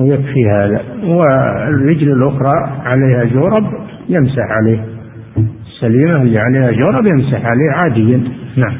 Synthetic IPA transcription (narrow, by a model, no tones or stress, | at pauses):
jakfihaːða̰wɪɪrːɪd͡ʒlɪlʔʊxɾˤɑʕaleːhad͡ʒoːɾˤɑb | jɪmsaħʕaleːh | ɪsːaliːmalːiʕaleːhad͡ʒoːɾˤɑbjɪmsaħʕaleːhʕaːd̪ɪjːannaʕam